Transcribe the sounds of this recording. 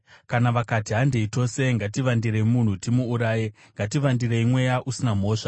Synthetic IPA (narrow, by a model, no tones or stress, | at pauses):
kanaʋakatiɦande̞ito̞se̞ŋɡatiʋandireimun̤utimuːɾaːje | ŋɡatiʋandiɾeimwe̞jaʔusinam̤o̞ːʂa